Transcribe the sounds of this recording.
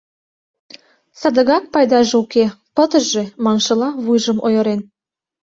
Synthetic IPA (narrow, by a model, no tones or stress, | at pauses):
sɑd̪ə̆ɣɑk̚pɑjd̪ɑʒeukepət̪əʒʒemɑnʃɤ̆lɑβujʒəmʔo̰jɤ̆ɾen